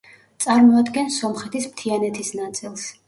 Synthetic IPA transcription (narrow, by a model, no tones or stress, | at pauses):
t̪sʼaɾmɔad̪ɡɛnsɔmχɛt̪ʰismt̪ʰianɛt̪ʰisnat̪sʼilˠs